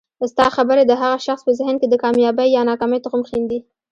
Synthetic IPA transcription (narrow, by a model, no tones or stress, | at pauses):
st̪ɑxabəɾed̪əɦaɣaʃaxspəzɪhnked̪əkɑmjɑbəjːɑnɑkɑməjt̪ʊqəmxind̪i